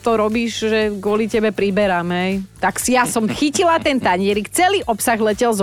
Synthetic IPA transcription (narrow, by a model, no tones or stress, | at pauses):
t̪ɔɾɔbiːʒʒɛɡʊɔlicɛbɛpɾibɛɾaːmɦɛjt̪aksijasɔmxicilat̪ɛnt̪aɲɪɛɾikt͡sɛliːʔɔpsaɣlɛcɛlz